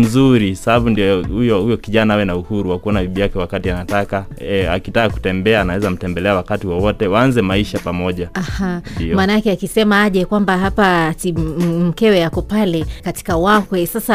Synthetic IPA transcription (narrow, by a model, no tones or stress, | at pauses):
m̩zuɾisabaɓundihujɔhujɔkiʄanahawɛnauhuɾuwakuɔnabiɓijakɛwakatianataka | a̰kitaaku̥tɛmbɛaːnawɛzam̩tɛmbɛlɛawakatiwɔwɔtɛwaanzɛmaiʃapamɔʄaahandiɔmanaakɛakisɛmaaʄɛkwambaɦapasim̩kɛwɛjakɔpalɛkati̥kawakwɛsasa